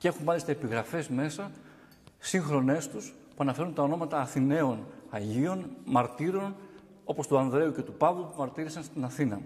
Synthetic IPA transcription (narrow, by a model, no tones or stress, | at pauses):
cee̞xunmɐlist̪ɐepiɣɾɐfe̞zme̞sɐ | siŋxɾo̞ne̞st̪us | puɐnɐfe̞ɾunt̪ɐo̞no̞mɐt̪ɐːθine̞o̞nɐʝio̞nmɐɾt̪iɾo̞n | o̞po̞st̪uɐnðɾe̞uce̞t̪upɐvlupumɐɾt̪iɾisɐnst̪inɐθinɐ